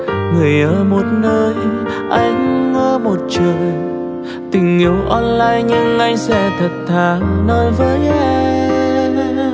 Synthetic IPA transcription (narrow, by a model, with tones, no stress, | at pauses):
ŋɨ˨˩əjʔəː˧˦˩mo˨˩t̚nəː˧j | ʔa˧jŋ˧˦ŋəː˧mo˨˩t̚t͡ɕɨ˨˩əŋ | t̪ï˨˩ŋ̟ʔi˨˦əwʔɔ˧nlaː˧jɲɨ˧ŋʔa˧jŋ̟sɛ̰˧˥t̪ʰə˨˩k̟̚t̪ʰaː˨˩nɔ˧nvəː˨˦ja˧